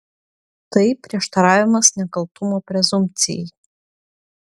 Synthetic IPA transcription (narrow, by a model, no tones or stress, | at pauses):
t̪ɐɪpʲɾʲiɛʃt̪ɐɾɑːʋʲɪmɐsnʲɛkɐlˠpt̪ʊmoːpʲɾʲɛzʊmʲt̪sʲɪ̰jɛ̰j